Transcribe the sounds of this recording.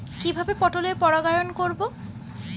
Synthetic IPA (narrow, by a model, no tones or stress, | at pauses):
kibʱabepɔʈoleɾpɔɾaɡajonkoɾbo